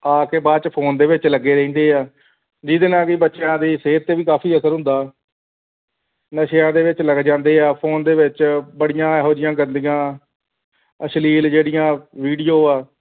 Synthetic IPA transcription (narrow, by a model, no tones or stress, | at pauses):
aːkeːbaːt͡ʃpʰoːnd̪eːʋɪt͡ʃləɡːeːɾəĩːnd̪eːaː | d͡ʒiːd̪enãːkiːbətːʃjãːd̪iːseːɾt̪eːʋiːkaːpʰiːəsəɾɦʊ̃nd̪aː | nəʃjãːd̪eːʋɪt͡ʃləɡd͡ʒãːnd̪eːaːpʰoːnd̪eːʋɪt͡ʃbəɽɪjãːɦoːɾɪjãːɡənd̪ijãː | əsliːld͡ʒeːɽɪjãːʋiːɖijoːaː